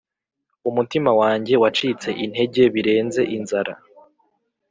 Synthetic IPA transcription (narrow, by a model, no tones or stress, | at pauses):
umutimawaːɲɟe̞wat͡ʃit͡se̞ʔin̥he̞ɟe̞βiɾe̞ːnze̞ʔinzaɾa̰